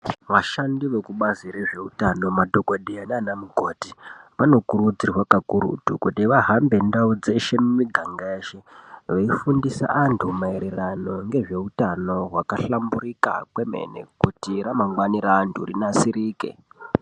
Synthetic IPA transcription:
ʋaʃandiʋe̞kuɓaziɾe̞ʐe̞utano̞madʱo̞koɗianaːnamuɡʱo̞tipano̞kuɾud͡zirwakakuɾṵtukutiʋaɦambe̞ndaud͡ze̞ʃe̞mumiɡʱaŋɡaeːʃe̞ʋeifundisa̰ʔantʰumaeɾerano̞ŋɡe̞ʐe̞utano̞ɦwakaɬambuɾika̰kwe̞me̞̰ne̞̰kutiɾamaŋɡwaniɾaːntʰṵrḭnasiɾiːke̞̰

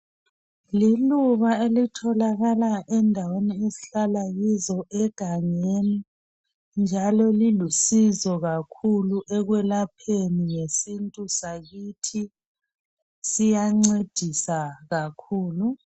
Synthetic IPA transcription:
liluβaelitʰɔlaɣalaʔɛndʱaweniezi̥ɬalaɣizɔʔɛɡ̥ʱaŋeni | nd͡ʒʱalɔlilusizɔɣakʰuluʔɛɣwɛlapʰeniŋesintʼusaɣitʰi | sijaŋ͡ǀed̥ʱisaɣakʰuːlu

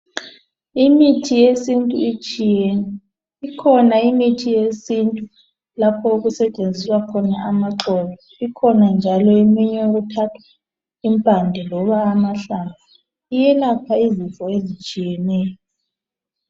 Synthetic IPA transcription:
imitʰijesintʼṵi | ikʰɔnaimitʰijesintʼu | lapʰɔuɣusɛt͡ʃʼend͡zʱiswakʰɔnaamaǁɔβɔ | ikʰɔnand͡ʒʱalɔemiɲɛoɣutʰatʰwḁ | impʼandʱɛlɔβaːmaɬaβa | ijɛlapʰaizifɔezit͡ʃʼijɛnɛːjɔ

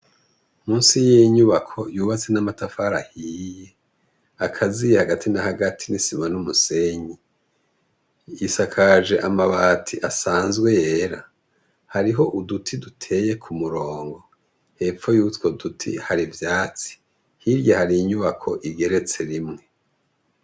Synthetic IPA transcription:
muːnsijiɲuβakʰo̞juːβat͡se̞namatafaɾahiːje | akʰazijehaɡatʰinahaɡatʰinisimanumuse̞ɲi | isakʰaʒe̞ʔamaβaːtʰiʔasaːnzɡwe̞je̞ɾa | haɾiɦo̞ʔudutʰidutʰe̞je̞kʰumuɾo̞ːŋɡo̞ | he̞ːfo̞juːtwodutʰḭhaɾivjaːt͡si̥ | hiɾjahaɾijiɲuβakʰo̞ʔiɡe̞ɾe̞t͡se̞ɾimŋe̞

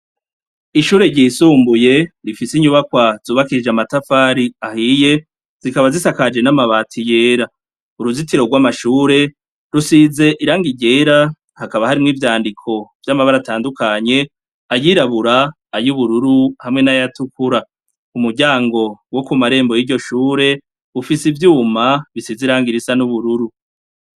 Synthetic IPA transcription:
iʃuːɾe̞ɟiːsuːmbuje̞ɾifisiɲuβakwazuːβakiɾid͡ʒeamatafaːɾiahije̞ | z̥ikaβazisakad͡ʒe̞namaβaːtʰije̞ːɾa | uɾuzitiɾo̞ɡwaːmaʃuːɾe̞ | ɾusize̞ʔiɾaːŋɡiɟe̞ːɾa | hakaβahaɾimŋiːvjaːndikʰo̞vjamaβaɾataːndukaɲe̞ | ajiɾaβuɾaː | juβuɾuɾuhamŋe̞najatukuɾa | umuɾɟaːŋɡo̞wo̞kumaɾe̞ːmbo̞jiːɾɟo̞ʃuːɾe̞ | ufisivjuːmaβisiziɾaːŋɡiɾisanuβuɾuɾu

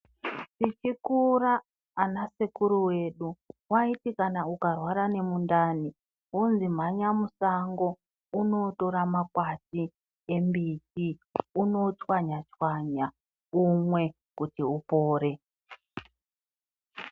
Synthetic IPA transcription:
tit͡ʃikuraː | nasekuɾuwe̞ɗuwaitikanaukarwaɾane̞mundani | unzim̤aɲamusaŋɡo̞ | uno̞to̞ɾamakwati | e̞mbitiuno̞t͡ʃwaɲat͡ʃwaɲa | umwe̞ | kutiupo̞ːɾe̞

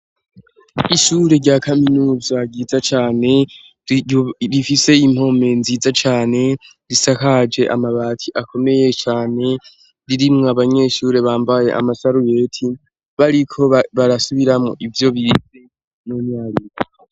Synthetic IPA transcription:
iʃuːɾe̞ɾɟaːkʰaminuːzaɡid͡zat͡ʃaːne̞ | ɾifise̞im̥ho̞me̞nziːzat͡ʃaːne̞ | ɾisakad͡ʒe̞ʔa̰maβaːtʰiʔakʰo̞me̞je̞t͡ʃaːne̞ | ɾiɾimŋaβaɲe̞ːʃuːɾe̞βaːmbaje̞̰ʔa̰masaɾuje̞ːtʰi | βaɾikʰo̞βaɾasuβiɾamŋoʔivjo̞βize | nomɲaːɾiɾo

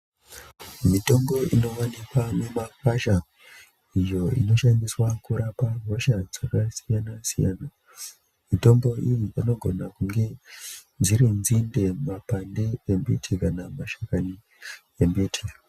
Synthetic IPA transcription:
mito̞mbo̞ino̞wanikwanemakaʃa | ijo̞ḭno̞ʃandiswakuɾapaɦo̞ʃad͡zakasijanasijaːna | mito̞mbo̞ʔijipano̞ɡʱo̞nakuŋɡe̞ | d͡ziɾinzinde̞mapandeembḭtʰikanamaʃakani | embitʰi

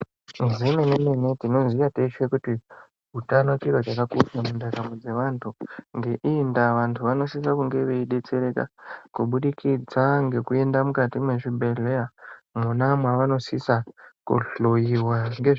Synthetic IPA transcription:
mizime̞neme̞ne̞tino̞zijateʃekuti | ɦutanot͡ʃiɾot͡ʃakakuʃamundaɾamod͡ze̞ʋantʰuŋɡe̞ʔiːndaʋantʰuʋano̞sis̬akuŋɡe̞ʋe̞iɗe̞t͡se̞ɾe̞ka̰kuɓuɗikʰid͡zaŋɡe̞kue̞ndamukatimwe̞ʐibʱe̞ɮe̞amunamwaʋano̞sisakṵɬojiwaŋɡe

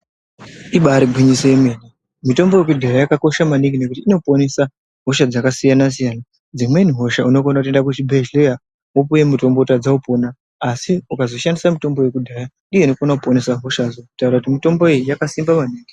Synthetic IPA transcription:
iɓaɾibʱiɲiseeme̞ni | mito̞mbo̞je̞k̬udʱajajakako̞ʃamaniŋɡine̞kutiːno̞po̞nesa | ɦo̞ʃad͡zakasijanas̬ijana | d͡zimwe̞niɦo̞ʃauno̞konakute̞ndak̬ut͡ʃibʱe̞ʒleja | op̬uje̞muto̞mbotad͡zaupo̞ːnaː | siukazo̞ʃandisamito̞mbo̞je̞kudʱajanɗije̞ino̞konakuponesaɦo̞ʃazoku̥taurakutimito̞mbo̞ijijakasimbamaniːŋɡi

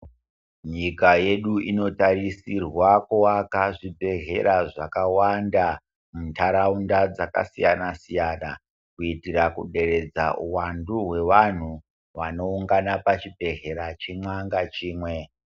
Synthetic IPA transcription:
ɲikaje̞ɗuʔino̞tarisirwakuwakaʐibʱe̞ɦe̞ɾaʐakawanda | muntʰaɾaundad͡zaka̰sijanasijana̰ | kuitirakuɗe̞ɾe̞d͡za̰uwanduɦwe̞ʋan̤u | ʋano̞uŋɡanapat͡ʃibʱe̞ɦe̞ɾat͡ʃemwaŋɡat͡ʃiːmwe̞

